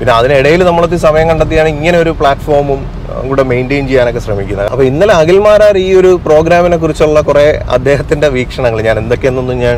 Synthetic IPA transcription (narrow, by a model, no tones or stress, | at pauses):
pinːeɐðiniɽɐjilnɐmːuɭot̪ːisɐmɐjɐŋkɐɳɖɐt̪ːijaːɳɨiŋːɐne̞o̞ɾupɭaːʈfo̞ːrmum | kuːɽeme̞jnɖejnt͡ɕejːaːno̞kːe̞ɕrɐmikʲːunːɐɐpːoːinːɐleɐɣilmaːɾaːriːo̞ɾupro̞ːɡɾaːmine̞kːurit͡ɕːoɭːɐkure̞ɐ̰d̪ːe̞ːɦɐt̪ːinde̞ʋiːkʂɐɳɐŋːɐɭɲaːne̞nd̪o̞kːe̞nːonːuɲaːn